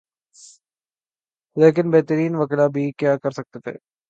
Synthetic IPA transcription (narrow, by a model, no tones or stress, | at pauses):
leːkɪnbɛɦt̪əɾiːnʋɐklabʱikjaːkɐɾsɐk̚t̪et̪ʰḛː